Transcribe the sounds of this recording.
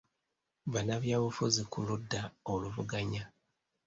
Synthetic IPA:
βanaβjaːβufuzikuludːaoluvuɡaɲa

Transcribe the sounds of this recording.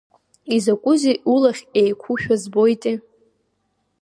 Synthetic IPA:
izakʷʼʊziʔulaχʲejkʷʰuʃᶣazbo̞jtʼi

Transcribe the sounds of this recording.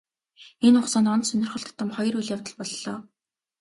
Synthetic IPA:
enʊχsɔːnɔnt̪sɵnʲɪ̆rχə̆ɬt̪ʰt̪ːə̆mχɔjɞ̆rujɮjawt̪ə̆ɮpɔɮːɔː

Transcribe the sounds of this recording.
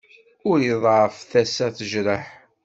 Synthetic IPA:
ʊɾjiðˤʕəfθæsæθəʒɾəħ

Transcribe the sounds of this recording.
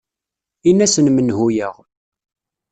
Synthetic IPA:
inːæsənmənhujəʁ

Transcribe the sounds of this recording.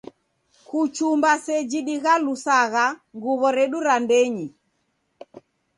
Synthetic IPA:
kut͡ʃumbasɛd͡ʒiɗiɣalusaɣaŋɡuβɔɾɛɗuɾandɛɲi

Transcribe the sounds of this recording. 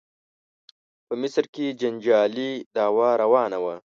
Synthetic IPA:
pəmɪsɾked͡ʒand͡ʒɑːlid̪ɑːwaɾawɑːnawa

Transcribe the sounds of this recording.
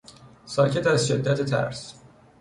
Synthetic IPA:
sɒːcʰe̞t̪æzʃe̞d̪ːæt̪ʰet̪ʰæ̰ɾs

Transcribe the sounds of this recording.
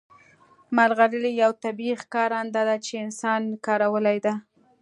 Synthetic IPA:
malɣaɾəlijawt̪abixkɑɾand̪ɑd̪at͡ʃeɪnsɑnkɑɾawəlajd̪a

